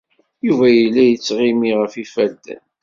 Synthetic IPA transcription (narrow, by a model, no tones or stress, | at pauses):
juvæjəlːæjət͡sːʁimiʁəfifæld̪æn